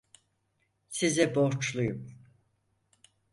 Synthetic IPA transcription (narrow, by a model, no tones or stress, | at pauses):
sizɛboɾt͡ʃlˠujum